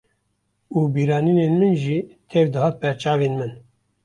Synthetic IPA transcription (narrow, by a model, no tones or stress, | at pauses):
uːbiːɾɑːniːneːnmɨnʒiːt̪ʰɛvd̪ɨɦɑːt̪̚bɛɾt͡ʃɑːveːnmɨn